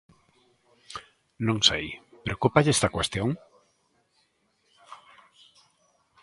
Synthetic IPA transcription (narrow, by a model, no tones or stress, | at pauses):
nõŋsejpɾeokupaʎest̪ɐkwest̪jõŋ